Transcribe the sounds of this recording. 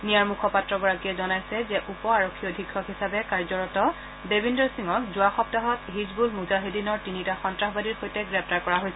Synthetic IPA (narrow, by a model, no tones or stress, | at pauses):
nijaɹmukʰɔpatɹɔɡɔɹakijɛzɔnajsɛzɛʔupɔaɹokʰːiodʱikʰːɔhisabɛkaɹzɔɹɔtɔ | bebindɔɹsiŋɔkzʊaxɔp̚taɦɔtɦizbulmuzaɦedinɔɹtinitaxɔntɹaxɔbadiɹxojtɛɡɹɛp̚ʰtaɹkɔɹaɦojsɛ